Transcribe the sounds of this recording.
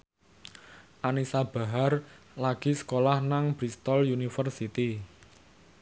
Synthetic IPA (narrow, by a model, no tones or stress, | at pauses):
ʔanisab̥a̤ɦar | laɡ̥isə̥kolahnaŋb̥ɾist̪ɔljunifərsit̪i